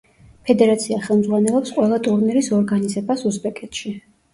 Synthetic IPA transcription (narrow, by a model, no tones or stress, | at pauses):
pʰɛd̪ɛɾat̪sʰiaχɛlˠmd̪zʁwanɛlˠɔpsqʼwɛlˠat̪ʼuɾniɾisɔɾɡanizɛbasusbɛkʼɛt̪ʃi